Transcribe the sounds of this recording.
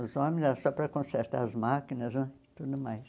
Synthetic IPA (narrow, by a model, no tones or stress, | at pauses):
ʊzɔ̃mɪ̃ʒasɔpɾɐkõseɾt̪aɾɐzmakinɐznɛt̪ud̪ʊmajs